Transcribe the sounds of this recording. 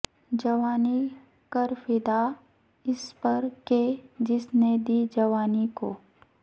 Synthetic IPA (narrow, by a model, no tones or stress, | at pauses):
d͡ʒɐʋaːni | kəɾfɪd̪a | ɪspɐɾked͡ʒɪsned̪iːd͡ʒɐʋaːnikoː